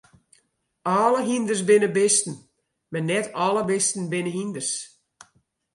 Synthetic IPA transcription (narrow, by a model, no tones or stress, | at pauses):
ɔːləɦindərs̬bɪnəbɪstən̩ | mɛnɛtʰɔləbɪstn̩bɪnəɦindərs